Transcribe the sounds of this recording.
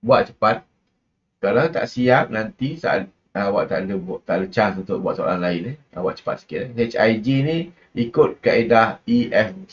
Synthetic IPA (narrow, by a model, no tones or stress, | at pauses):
buaʔ̚t͡ʃə̥pat̪̚ | kalawt̪a̰ʔsiap̚nant̪isa̰ʔ | awaʔt̪a̰ʔdəbʔt̪a̰ʔlət͡ʃasunt̪ʊʔbuaʔ̪̚soa̰la̰nlaɪni | a̰wa̰ʔ̚t͡ʃə̥pa̰t̪̚sə̥kɪaet͡ʃa̰jd͡ʒini | ikʊt̪̚kaedahiɛf